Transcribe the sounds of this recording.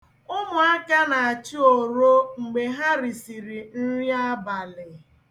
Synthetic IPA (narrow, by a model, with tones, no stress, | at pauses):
ʊ˦mʊ˨a˦ka˦na˨a˨t͡ʃi˦o˨ɾo˦ŋ͡m̩˨ɡ͡be˨ɦa˦ɾi˨si˨ɾi˨n̩˦ɾja˦ba˨lɪ˨